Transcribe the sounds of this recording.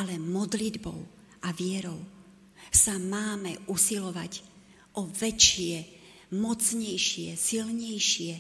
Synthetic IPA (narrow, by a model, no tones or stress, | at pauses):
ʔalɛmɔd̪lid̪bɔ̰ʊ | ʔaʋɪɛɾɔʊ | samaːmɛʔusilɔʋaɟ | ʔɔvɛt͡ʃɪɛ | mɔt͡sɲɛjʃɪɛsilɲɛjʃɪɛ